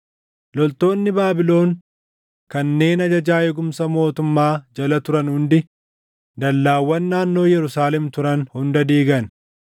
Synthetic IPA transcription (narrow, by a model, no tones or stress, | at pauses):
lɔlt̪o̞ːnːɪbaːbɪlo̞ːŋ | kɐnːe̞ːnɐd͡ʒɐd͡ʒaːjɛɡʊmsɐmo̞ːt̪ʊmːaːd͡ʒɐlɐt̪ʊɾɐnhʊnd̪ɪ | d̪ɐlːaːwːɐnːaːnːo̞ːjɛɾʊsaːlɛmt̪ʊɾɐnhʊnd̪ɐd̪iːɡɐn